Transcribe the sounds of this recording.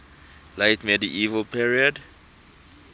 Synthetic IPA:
lejtmɛdiʔivəlpʰiɹiɔd

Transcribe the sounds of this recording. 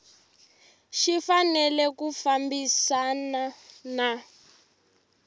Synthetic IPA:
ʃifanɛlɛkufambisanana

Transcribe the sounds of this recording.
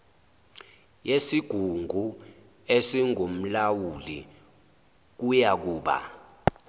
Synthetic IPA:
jesiɡ̥ʱuŋɡʱu | esiŋom̩lawuli | k̬ujak̬uːɓa̰

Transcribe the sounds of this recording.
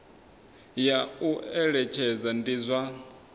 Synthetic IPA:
jauɛɺɛt͡ʃʰɛd͡zandizʷa

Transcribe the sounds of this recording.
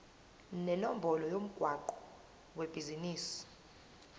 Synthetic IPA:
nɛnombʱɔlɔjom̩ɡ̥ʱwaǃɔ̥ | web̥ʱiziniːsi̥

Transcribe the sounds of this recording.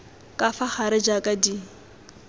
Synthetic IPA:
kʼafaχaɾɪd͡ʒakʼadi

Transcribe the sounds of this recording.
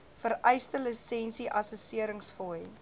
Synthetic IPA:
fəɾɛjstələsɛnsiʔɐsusiəɾəŋsfɔj

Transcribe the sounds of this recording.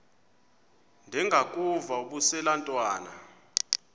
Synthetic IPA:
ndʱɛŋɡʱakʼuvauɓusɛlantʼwaːna̰

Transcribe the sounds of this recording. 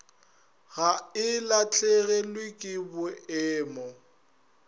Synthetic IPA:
ɣaɪlat͡ɬʰʼeɣɛlwɪkʼɪbʊɪːmɔ

